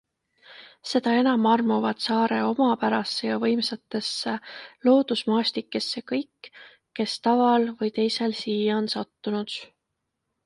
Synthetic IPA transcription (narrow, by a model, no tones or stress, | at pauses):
se̞d̪̥ɑe̞nɑmɑrmuvɑd̪̥sɑːɾe̞o̞mɑpæɾɑsːejɑvɤjmsɑt̪ːˑe̞sːelo̞ːd̪̥usmɑːsʲt̪ikːˑesːe̞kɤjkː | e̞st̪ɑvɑlvɤjt̪e̞jse̞lsiːjɑonsɑt̪ːunud̪̥